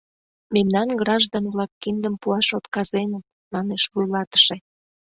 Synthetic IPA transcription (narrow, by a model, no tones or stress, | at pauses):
memnɑnɡɾɑʒd̪onβlɑkːind̪əmpuɑʃot̪kɑzenət̪̚ | mɑneʃβujlɑt̪ə̥ʃe